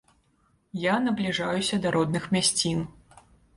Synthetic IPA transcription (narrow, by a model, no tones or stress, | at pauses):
janɐblʲiʐajusʲɐd̪aɾʔɔd̪nɨxmʲasʲt͡sʲin